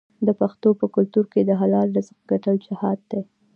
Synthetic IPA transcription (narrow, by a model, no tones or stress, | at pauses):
d̪əpaxt̪opəkʊlt̪uɾked̪əɦalɑld̪əzəqɡaʈəwd͡ʒɪhɑd̪̚d̪e